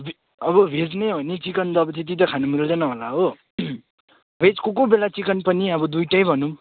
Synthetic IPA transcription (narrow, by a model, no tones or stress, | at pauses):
bʱ | ʌbʌbʱed͡zneɦʌnit͡sikʌnd̪ʌbʌt͡sit̪̬it̪ʌkʰanumild̪ʌnʌɦolaɦo | bʱet͡skokobelat͡sikʌnpʌniʌbʌd̪ujʈʌjbʱʌnum